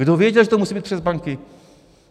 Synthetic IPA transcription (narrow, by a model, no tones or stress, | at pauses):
ɨd̪ɔvʲjed͡ʑalɛt̪ɔmusʲibɘt͡ɕ̚ʲpʂɛzbaŋkʲi